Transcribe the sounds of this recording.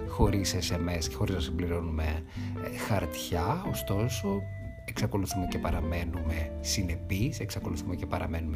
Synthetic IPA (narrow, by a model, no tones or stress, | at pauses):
xo̞ɾisesemesce̞xo̞ɾiznɐsimbliɾo̞nume̞ | xɐɾt̪çɐost̪o̞so̞ | e̞ksɐko̞luθume̞cepɐɾɐme̞nume̞ | sine̞pise̞ksɐko̞luθumece̞pɐɾɐme̞nume